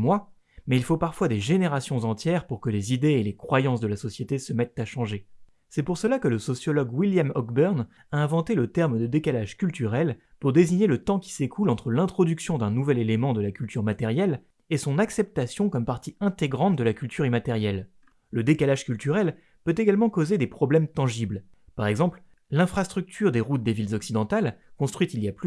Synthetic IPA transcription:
mwa | mɛilfopaʁfwad̪eʒeneʁasjɔ̃zɑ̃t̪jɛʁpuʁkəlezid̪eelekχwajɑ̃s̬d̪əlasɔsjet̪esəmɛt̪ːaʃɑ̃ʒe | sɛpuʁsəlakələsɔsjɔlɔɡwiljamɔɡbœʁn | aɛ̃vɑ̃t̪elət̪ɛʁmd̪əd̪ekalaʒkʲylt̪yʁɛlpuʁd̪eziɲelət̪ɑ̃kʲi̥sekʰulɑ̃t̪χəlɛ̃t̪χɔd̪yksjɔ̃d̪ɛ̃nuvɛlelemɑ̃d̪əlakʲylt̪yʁmat̪ɛʁjɛl | esɔ̃naksɛp̚t̪asjɔ̃kɔmpaʁt̪iɛ̃t̪eɡʁɑ̃t̪̚d̪əlakʲylt̪ʰyʁimat̪ɛʁjɛl | ləd̪ekalaʒ̥kʲylt̪yʁɛl | pøt̪eɡalmɑ̃kozed̪epχɔblɛmt̪ɑ̃ʒibl | paʁɛɡzɑ̃pl | lɛ̃fχast̪χyk̚t̪ʰyʁd̪eʁut̪̚d̪evilzɔksid̪ɑ̃t̪alkɔ̃st̪χɥit̪iliaply

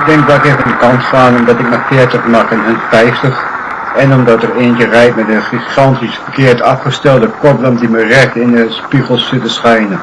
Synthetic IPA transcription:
ɡ̚dɛŋkʋɛlˠkevəndəkɑntχaːnɔmdɑtɪk̚mafɪətəχmɑχɪnɦənfɛjftəχ | ɛnɔmdɑtəreːnjərɛjtmɛtdəχiχɑntisfəkɪːəɹtʰɑfχəstɛlˠdəkɔbləmdimərɛktɪndəspiχəlˠssɪtəsχɛjnə

